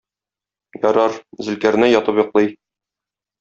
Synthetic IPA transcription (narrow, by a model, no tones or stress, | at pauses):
jɒɾɑɾzɘ̆lkæɾ̆næjɒt̪ɤpjŏqlˠɤj